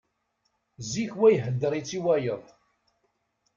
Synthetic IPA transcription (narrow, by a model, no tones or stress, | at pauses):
ziçwæjɦəd̪ːəɾˤit͡sːiwæjəðˤ